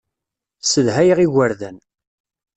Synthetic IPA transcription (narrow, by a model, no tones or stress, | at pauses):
səðɦæjəʁiɣəɾðæn